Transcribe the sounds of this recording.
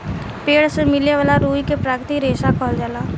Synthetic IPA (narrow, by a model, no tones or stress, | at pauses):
peːɽsemɪleʋaːlaɾuːikepɾaːkɾt̪iɾeːʃakʰɔːld͡ʒaːlaː